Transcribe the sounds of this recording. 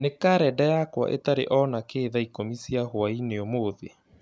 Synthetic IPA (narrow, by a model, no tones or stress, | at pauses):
nekaɾɛdajakwa̰ʔḛtaɾḛʔɔnakeːðaikomisiahoaineomoːðḛ